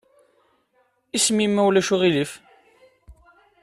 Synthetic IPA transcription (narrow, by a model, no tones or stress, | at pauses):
ismimːæwlæʃuʁilif